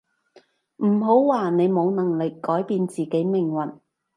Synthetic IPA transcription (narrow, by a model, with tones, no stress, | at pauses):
m̩˨˩ɦo˨˥wwaː˨ne˨˧jmo˨˧wnɐ˨˩ŋlɪ˨kːɔː˨˥jpiː˧nt͡siː˨ke˨˥jmɪ˨˩ŋwɐ˨˩n